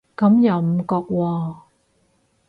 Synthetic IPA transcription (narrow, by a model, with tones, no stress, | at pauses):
kɐ˨˧˥mjɐ˨˩wm̩˨˩kɔː˧k̚wɔː˧